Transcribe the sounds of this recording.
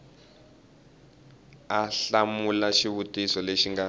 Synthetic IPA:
aɬamulaʃiβutisɔleʃiŋɡa

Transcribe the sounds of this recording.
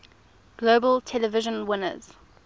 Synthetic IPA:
ɡ̥loːbəltʰɛləvɪʒə̃nwɪnə̰z̥

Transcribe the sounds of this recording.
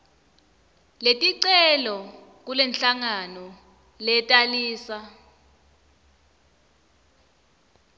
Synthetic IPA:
letʼiǀɛlɔ | k̬ulɛnɬaŋanɔ | lɛtʼaliːsa

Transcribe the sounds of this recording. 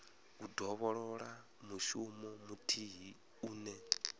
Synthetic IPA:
udɔβɔɺɔɺa | muʃumɔmutʰiɦi | uːnɛ

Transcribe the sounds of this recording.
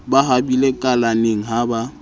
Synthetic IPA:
baɦabilekʼalaneŋ̩ɦaba

